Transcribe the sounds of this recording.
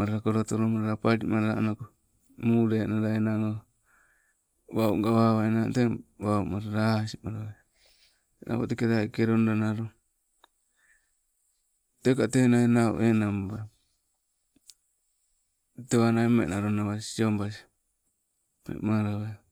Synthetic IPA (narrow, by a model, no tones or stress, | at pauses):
maɾaɾakoɾotoɾomaɾaɾapaɾimaɾɾa̰noko | muɾenaɾaenaŋo | waṵŋɡaβaβaenateβaumaɾaɾasimaɾaa | nʔa̰βo̰tekeɾakeɾonɾanaɾo | tekatenaenaṵʔenamba | teβanaimḛnaɾonaβasiombas̬i̥ | mḛmaɾaβa